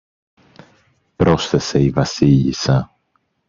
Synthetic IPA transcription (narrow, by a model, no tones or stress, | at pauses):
pɾo̞sθe̞se̞ivɐsiʎḭsɐ